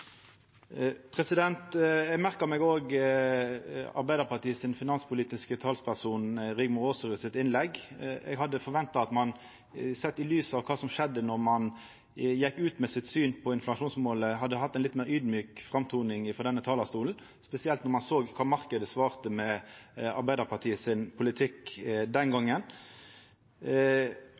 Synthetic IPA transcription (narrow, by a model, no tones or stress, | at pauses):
pʰʁɛsɪd̪ɛnt̪ɛɡmæʁkəʁmɛɡoːɡ | ɑ̰ʁbæɪəʁpɑʁʈ̪iːsɪnfɪnɑnspʰʊliːt̪ɪskət̪ʰɑːlspʰæʁsuːnʁɪɡmʊʁoːsɾʉːsɪt̪ɪnlɛɡɛ̰ɡɦɑd̪ːəfɔʁʋɛnt̪ɑɑt̪mɑn | sɛt̪ːɪlyːsɑʋkʰɑːsɔmʂɛd̪ːənɔʁmɑn | jɛkːʉːt̪mɛsɪt̪syːnpʰɔɪnflɑʂuːnsmoːləɦɑd̪ːəɦɑt̪ːæɛɪnlɪt̪meːɾyːd̪myːkfʁɑmt̪ʰuːnɪŋɪfɔʁd̪ɛnːət̪ʰɑːlɑʁst̪uːln̩ | spɛsɪɛlt̪nɔʁmɑnsoːɡkʰɑːmɑʁkəd̪əsʋɑːʁt̪əmɛɑ̰ʁbæɪd̪əʁpʰɑʁʈ̪ʰiːəsɪnpʰʊlɪt̪ʰɪkd̪ɛnɡɔŋːən